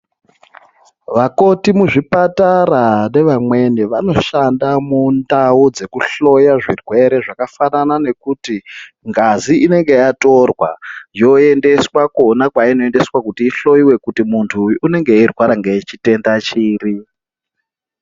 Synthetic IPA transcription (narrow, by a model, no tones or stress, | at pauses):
ʋako̞timuʐipataɾane̞ʋamwe̞niʋano̞ʃandamundaud͡ze̞kuɬo̞jaʐirwe̞ɾe̞ʐakafananane̞kuti | ŋɡaziine̞ŋɡe̞jato̞rwa̰jo̞e̞nde̞swakonakwaino̞e̞nde̞swakutiːɬo̞iwe̞kutimuntʰuːne̞ŋɡe̞irwaɾaŋɡeit͡ʃite̞ndat͡ʃiːri